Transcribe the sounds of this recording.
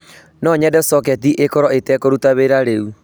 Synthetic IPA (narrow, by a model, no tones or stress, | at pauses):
nɔɲɛdɛsɔkɛtiʔekɔɾɔetɛkoɾutaβeɾaɾeu